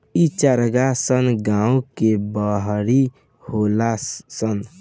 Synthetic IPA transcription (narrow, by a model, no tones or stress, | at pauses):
it͡ʃəɾɡasənɡãũkebəɦɾi | holasən